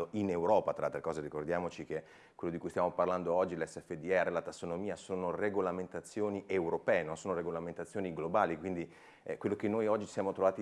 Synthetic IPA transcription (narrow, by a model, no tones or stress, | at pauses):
oinewɾɔːpat̪ɾaalt̪ɾekɔːzeɾikord̪jaːmot͡ʃik̟e | kwelːod̪ikujst̪jamoparland̪oɔd͡ʒːilɛsːɛfːed̪iɛrːelat̪asːonomiːasoːnoreɡolament̪at̪sːjoːniʔewɾopɛːenonsoːnoɾeɡolament̪at̪sːjoːniɡlobaːlikwind̪i | ɛ̰kwelːokenːojɔd͡ʒːisjaːmot̪ɾovaːt̪i